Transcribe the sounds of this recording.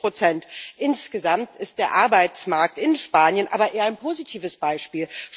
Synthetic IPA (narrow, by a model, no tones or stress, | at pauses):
ʁ̥ot͡sɛntʔɪnsɡ̥əzamtɪst̚d̥eːɐʔaɐbaɪt͡smaɐk̚tɪnʃpaːnjənʔa̰ːbɐʔeːɐaɪnpʰoːzitʰiːvəsb̥aɪʃpiːlʃ